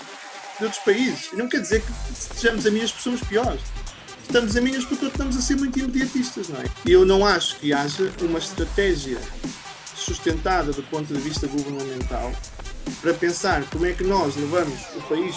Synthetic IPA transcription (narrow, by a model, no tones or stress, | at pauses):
d̪ot̪ɾu̥ʃpɐizɨʃinɐ̃w̃kɛɾðizeɾkɨst̪ɨʒɐmuzɐmiɲɐʃpɾsomuʃpiɔɾʃ | ʃt̪ɐmʊzɐ̃miɲɐʃpɾt̪oʃt̪ɐmʊzɐseɾmũj̃t̪̬imɨðjɐt̪iʃt̪ɐʃnɐ̃w̃ɛiewnɐ̃w̃aʃu̥kɨaʒɐumɐʃt̪ɾɐt̪ɛʒjɐ | suʃt̪ẽnt̪aðɐðupõnt̪uðɨviʃt̪ɐɣuvɨɾnɐmẽnt̪a̰lˠ | pɐɾɐpẽsaɾkomwɛkɨnɔʃlˠɨvɐmʊʃupɐiʃ